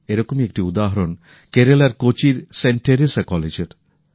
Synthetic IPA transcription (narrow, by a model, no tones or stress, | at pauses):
eɾɔkomekʈiud̪aɦɐɾon | keɾelaɾkot͡ʃiɾseɳʈeɾesakɔled͡ʒeɾ